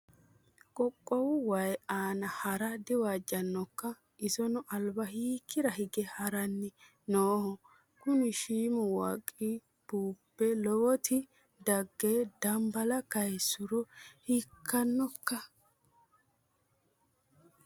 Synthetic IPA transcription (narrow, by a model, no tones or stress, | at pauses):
kʼɔkʼːɔwʊwɐjaːnɐhɐɾɐd̪ɪwaːd͡ʒːɐnːɔkːɐ | ʔɪsɔnʊʔɐlbɐɦiːkʰːɪɾɐhɪɡɛhɐɾɐnːɪ | noːhɔ | kʊnɪʃiːmʊwɐ̰kʼːi | b̥uːpːɛlɔwɔt̪ɪ | d̪ɐɡːeːd̪ɐmbɐlɐkɐjsʊɾɔhɪkʰːɐnːɔkːɐ